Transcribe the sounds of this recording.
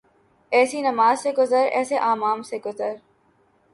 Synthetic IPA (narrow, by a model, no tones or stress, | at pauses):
ɛːsinɐmaːzseɡʊzəɾɛ̰ːseʔaːmaːmseɡʊzəɾ